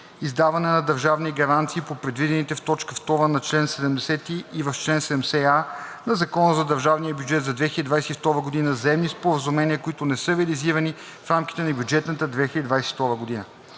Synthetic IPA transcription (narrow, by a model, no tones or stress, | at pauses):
izd̪avɐnɛnɐd̪ɐɾʒavniɡɐɾant̪siːpopɾɛd̪vid̪ɛnit̪ɛft̪ɔt͡ʃkəft̪ɔɾənɐt͡ʃlɛnsɛd̪ɛmd̪ɛsɛt̪iːvɐft͡ʃlɛnsɛd̪ɛmsɛanɐzɐkɔnəzɐd̪ɐɾʒavnijəbʲjud͡ʒɛt̪zɐd̪vɛxiəd̪id̪vajsɛift̪ɔɾəɡod̪inəzɐɛmnispoɾəzumɛniəkʊit̪ʊnɛsəɾɛɐliziɾəni | fɾamkʲi̥t̪ɛnɐbʲjud͡ʒɛt̪nət̪əd̪vɛxilʲəd̪id̪vajsɛ̥ft̪ɔɾvəɡod̪inə̰